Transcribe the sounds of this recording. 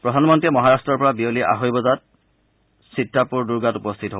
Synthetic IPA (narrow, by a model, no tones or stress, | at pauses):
pɹɔdʱanmɔntɹiɛmɔɦaɹastɹɔɹpɔɹabioliʔa̰ɦojbɔzat̚ | sitːapuɹduɹɡatupɔst̪ʰitɦo